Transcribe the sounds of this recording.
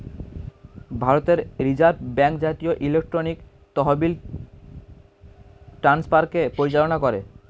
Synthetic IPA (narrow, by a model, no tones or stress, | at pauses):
bʱaɾot̪eɾɾid͡ʑaɾbbɛŋkd͡ʑat̪ioʔilek̚ʈɾonik | t̪ɔɦobil | ʈɾanspaɾkepoɾit͡ɕalonakoɾe